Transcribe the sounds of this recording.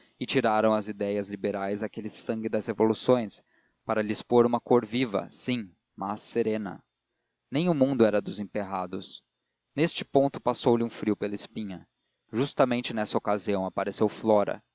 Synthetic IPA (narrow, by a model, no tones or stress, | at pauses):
ɪt͡ʃiɾaɾɐ̃w̃ɐzid̪ɛjɐzlibeɾajzakelɪsɐ̃ŋɡɪd̪ɐzhevolusõj̃s | paɾɐlispoɾũmɐkoɾvivɐ̰sĩ | masːeɾẽnɐ̰ | nẽj̃ʊmũnd̪ʊɛɾɐd̪ʊzẽpeɦad̪ʊs | nest͡ʃɪpõnt̪ʊpasowlɪũfɾiupelɐɪspĩɲɐ | ʒust̪ɐmẽnt͡ʃɪnɛsɐokaziɐ̃w̃apaɾesewflɔɾɐ̰